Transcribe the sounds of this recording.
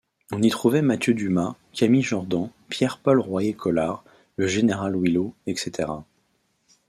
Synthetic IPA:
ɔ̃nit̪χuvɛmat̪jød̪yma | kʲamiʒɔʁd̪ɑ̃pjɛʁpɔlʁwajekʰɔlaʁ | ləʒeneʁalwiloɛkset̪ʰeʁa

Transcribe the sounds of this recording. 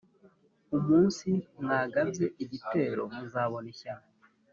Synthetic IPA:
umuːnsimŋaːɡaze̞ʔiβite̞ɾo̞muzaːβo̞neça

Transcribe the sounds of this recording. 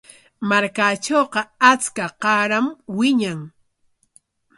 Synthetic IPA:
maɾkat͡ʃoːqɑat͡skaqɑɾamwɪɲaŋ

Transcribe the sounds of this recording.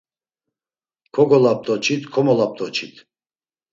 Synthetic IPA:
kʰɔɡɔlap̚t̪ʼɔt͡ʃʰit̪kʰɔmɔlap̚t̪ʼɔt͡ʃʰit̪ʰ

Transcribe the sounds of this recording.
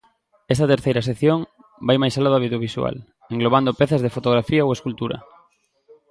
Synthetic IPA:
ɛst̪at̪eɾθejɾɐs̬ekθjoŋ | bajmajsalaðaβiðjoβiswa̰l | eŋɡloβ̞and̪opɛθazðefot̪oɣ̞ɾafiaoweskult̪uɾɐ̰

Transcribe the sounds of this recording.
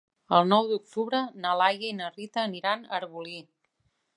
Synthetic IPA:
əlˠnɔwd̪uk̚t̪uβɾənəlajəinərit̪əːniɾanə̰ɾβuli

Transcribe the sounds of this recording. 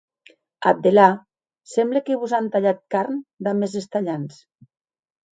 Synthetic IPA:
ab̚d̪ela | semblekeβuzant̪aʎat̪̚kaɾnd̪amezest̪aʎans

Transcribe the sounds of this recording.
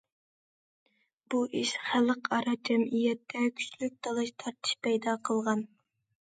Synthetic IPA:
b̥uʔiʃχæləqɑɾɑd͡ʒɛmijɛt̪ʰːɛkʲʰy̥t͡ʃlyk̚ʲt̪ʰɑlˠɨʃt̪ʰɑɾt̪ʰɨ̥ʃpʰɛjd̪ɑqʰəlˠʁɑn

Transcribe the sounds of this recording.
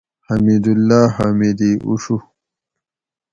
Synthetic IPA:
hɐmid̪ulːaːɦamid̪iːʔṵɕu

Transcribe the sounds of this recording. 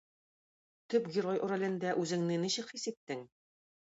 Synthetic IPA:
t̪ɵpɡʲɪɾojʔŏɾæ̆lɘ̆nd̪æʔʉzɘ̆ŋnɘniɕɘ̆kχisɘ̆t̪ːɘŋ

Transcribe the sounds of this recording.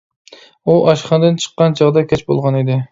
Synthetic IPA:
uʔɑʃχɑnd̪ɨnt͡ʃʰə̥qːɑnt͡ʃʰɑʁd̪ɑkʲʰɛt͡ʃbo̰lˠʁɑned̪ɪ

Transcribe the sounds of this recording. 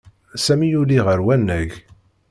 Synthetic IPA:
sæmijuliʁəɾwænːæʝ

